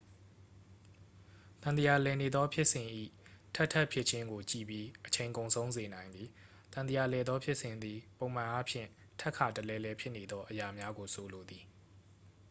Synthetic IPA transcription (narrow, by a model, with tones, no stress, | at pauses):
t̪ã˨nd̪ə˦ja˨lɛ˨ne˨d̪ɔ˦pʰjɪ˦ʔsɪ̃˨ʔḭ˦˨tʰɛ˦ʔtʰɛ˦ʔpʰjɪ˦ʔt͡ɕʰɪ̃˦ŋɡo˨t͡ɕḭ˦˨bji˦ʔət͡ɕʰẽ˨ɪ̃ŋkõ˨ʊ̃nsʰõ˦ʊ̃nze˨nã˨ɪ̃nd̪i˨ | t̪ã˨d̪əja˨lɛ˨d̪ðɔ˦pʰjɪ˦ʔsɪ̃˨nd̪ði˨põ˨ʊ̃m̥ã˨ʔa˦pʰjɪ̰̃˦˨ | tʰʔkʰa˨təlɛ˦lɛ˦pʰjɪ˦ʔne˨d̪ðɔ˦ʔəja˨mja˦ɡo˨sʰo˨lo˨d̪i˨